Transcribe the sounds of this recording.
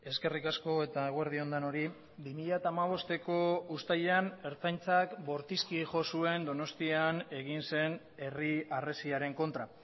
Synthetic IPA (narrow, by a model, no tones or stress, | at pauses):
e̞ske̞rikasko̞e̞t̪aeɣoeɾðio̞nd̪ano̞ɾi | bimiʎat̪aːmaβ̞o̞st̪e̞ko̞ust̪aʎeane̞ɾt͡sajnt͡sakbo̞ɾt̪iskiʝo̞sue̞nd̪o̞no̞st̪iane̞ɣinse̞n | e̞riare̞siaɾe̞ŋko̞nt̪ɾa